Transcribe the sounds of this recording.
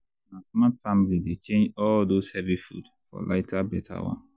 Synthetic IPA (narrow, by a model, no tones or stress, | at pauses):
nasmatfamilidet͡ʃẽnd͡ʒɔldoshɛvifṵd | fɔ̰la̰ɪtʰabɛtʰa̰wã̰n